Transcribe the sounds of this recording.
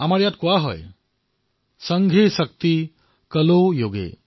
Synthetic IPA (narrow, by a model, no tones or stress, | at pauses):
amaɾjat̪koaɦɔ̰j | səŋɡʱesək̚t̪i | kəlojoːɡḛ